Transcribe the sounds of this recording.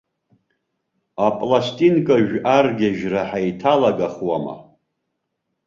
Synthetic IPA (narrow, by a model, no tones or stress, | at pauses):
apʼlastʼinkʼaʒᶣarɡʲaʒraħajtʰalaɡaχwama̰